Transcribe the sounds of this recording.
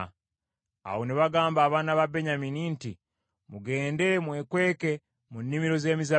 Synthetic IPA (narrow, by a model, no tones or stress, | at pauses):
a̰wo̞niβaɡaːmbaːβaːnaβabe̞ɲamininti | muɡe̞ːnde̞mwe̞kwe̞ːke̞ | munːimiɾo̞ze̞ːmiza